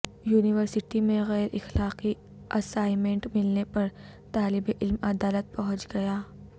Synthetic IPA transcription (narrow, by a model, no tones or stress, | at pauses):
juːnɪʋəɾsɪʈimẽɣɛːɾʔɪ̰xlaːqi | ʔɐsaːɪmẽɳʈmɪlnepɐɾ | t̪aːlɪbeʔɪlmɐd̪aːlət̪̚pɐɦʊ̃t͡ʃɡɐjaː